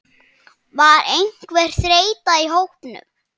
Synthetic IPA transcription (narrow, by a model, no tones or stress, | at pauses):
vaɾejŋ̥kvɛr̥θɾeːjt̪aiɦowhpnʏ̰m